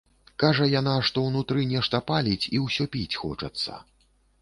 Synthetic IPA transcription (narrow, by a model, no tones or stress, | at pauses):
kaʐɐjan̪aʂt̪ɔwnut̪ɾɨnʲɛʂt̪ɐpalʲit͡sʲiwsʲɔpʲit͡sʲxɔ̰t͡ʂɐ̰t̪sːɐ̰